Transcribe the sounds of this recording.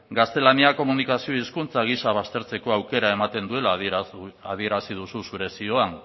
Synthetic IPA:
ɡast̪e̞laniako̞munikasio̞iskunt͡saɣ̞isaβ̞ast̪e̞ɾt͡se̞ko̞awke̞ɾae̞mat̪e̞nd̪ue̞la | að̞ie̞ɾasið̞ususuɾe̞sio̞aŋ

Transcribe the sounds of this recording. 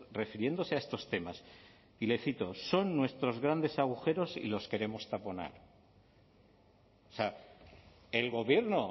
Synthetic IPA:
re̞fiɾje̞nd̪o̞se̞aest̪o̞st̪e̞mas | ile̞θit̪o̞so̞nːwe̞st̪ɾo̞zɣ̞ɾand̪e̞saɣ̞uxe̞ɾo̞sḭlo̞ske̞ɾe̞mo̞st̪apo̞na̰ɾ | sea | elɣo̞βje̞ɾno

